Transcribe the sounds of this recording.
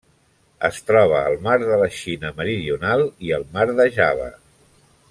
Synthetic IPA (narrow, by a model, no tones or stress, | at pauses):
əst̪ɾɔβ̞əːlˠmaɾðələʃinəməɾiðiunalˠiəlˠmaɾðəʒaβə̰